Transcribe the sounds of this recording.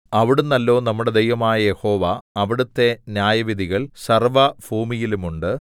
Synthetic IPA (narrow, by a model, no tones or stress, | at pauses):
ɐʋiɽunːɐlːo̞ːnɐmːuɽe̞d̪ejʋɐmaːjɐje̞ho̞ːʋɐːʋiɽut̪ːe̞njaːjɐʋid̪ʱiɣɐɭsɐrʋɐbʱuːmijilumuɳɖɨ